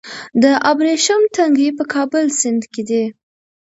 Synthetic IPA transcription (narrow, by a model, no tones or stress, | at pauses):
d̪əʔabɾeʃamt̪aŋɡipəkʰɑbəlsɪnd̪ked̪i